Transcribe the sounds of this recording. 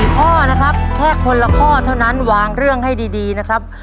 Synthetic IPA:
kʰɔː˥˩na˦˥kʰɾa˦˥p̚kʰɛː˥˩kʰːo˧nla˧kʰɔː˥˩t̪ʰa˥˩wna˦˥nwaː˨˧ŋɾɯ˥˩əŋɦa˥˩jdiː˧diː˧na˦˥kʰɾa˦˥p̚

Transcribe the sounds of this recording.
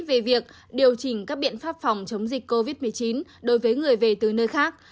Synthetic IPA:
ve˨˩vi˨˩ək̚ | ɗi˨˩əwt͡ɕï˨˩ŋ̟kaː˦˥k̚ɓḭ˧˨ənfaː˦˥p̚fa˨˩wŋ͡mt͡ɕə˨˦wŋ͡mzï˨˩k̟̚ʲko˧vi˦˥t̚mɨ˨˩əjt͡ɕi˨˦nɗo˨˦jvəː˨˦jŋɨ˨˩əjve˨˩t̪ɨ˨˩nəː˧jxaː˦˥k̚

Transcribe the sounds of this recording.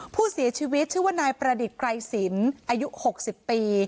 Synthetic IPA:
pʰuː˥˩si˨˩˦t͡ɕʰiː˧wi˦˥t̪̚t͡ɕʰiː˥˩wa˥˩naː˧jpɾa˧di˨˩t̪̚kɾa˧jsi˩˦nʔʔaː˧ju˦˥ho˨˩k̚si˨˩pːiː˧

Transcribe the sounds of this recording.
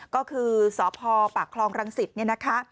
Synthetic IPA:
kɔː˥˩kʰɯː˧sɔː˩˦pʰɔː˧pa˨˩kʰlɔː˧ŋɾa˧ŋsi˨˩t̪̚ni˥˩ɐna˦˥kʰa˦˥

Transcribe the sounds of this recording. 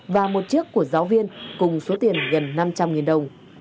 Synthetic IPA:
vaː˨˩mo˨˩t̚t͡ɕɨ˦˥ək̚ːu˧˩əzaː˨˦wvi˧ənkʊ˨˩ŋ͡mso˨˦t̪i˨˩ənɣə˨˩nːa˧mt͡ɕa˧mŋi˨˩ənɗə˨˩wŋ͡m

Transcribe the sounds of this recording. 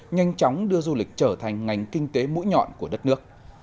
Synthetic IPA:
ɲa˧jŋ̟t͡ɕɔ˨˦wŋ͡mɗɨ˧əzu˧lï˨˩k̟̚t͡ɕəː˧˩t̪ʰa˨˩jŋ̟ŋa˨˩jŋ̟kï˧ŋ̟t̪e˨˦mṵ˧˥jɲɔ̰˧˨nku˧˩əɗə˦˥t̚nɨ˦˥ək̚

